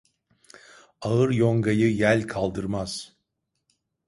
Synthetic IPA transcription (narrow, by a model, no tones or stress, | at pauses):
aɯɾjoŋɡajɯjælʲkʰalˠd̪ɯɾmaz̥